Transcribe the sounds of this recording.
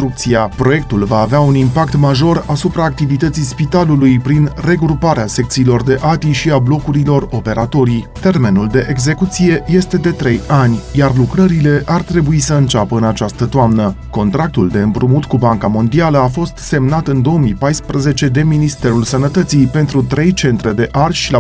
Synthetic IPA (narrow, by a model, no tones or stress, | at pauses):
ɾuk̚t̪siapɾo̞je̞k̚t̪ulvaːveaunimpakt̪maʒo̞rasupɾaːk̚t̪ivit̪ət̪sijspit̪alulujpɾinre̞ɡɾupaɾease̞k̚t̪siːlo̞rd̪e̞ʔat̪iʃiablo̞kuɾilo̞ro̞pe̞ɾat̪o̞ɾijt̪e̞rme̞nuld̪e̞ʔeɡze̞kut̪sije̞je̞st̪e̞d̪e̞t̪ɾe̞janʲjarlukɾəɾile̞ʔart̪ɾe̞buisəɨnt͡ʃapəɨnat͡ʃast̪ət̪oamnəko̞nt̪ɾak̚t̪uld̪e̞ɨmpɾumut̪kubaŋkamo̞nd̪ialəafo̞st̪se̞mnat̪ɨnd̪o̞omijpajspɾəze̞t͡ʃe̞d̪e̞minist̪e̞ɾulsənət̪ət̪sijpe̞nt̪ɾut̪ɾe̞jt͡ʃe̞nt̪ɾe̞d̪e̞ʔarʃila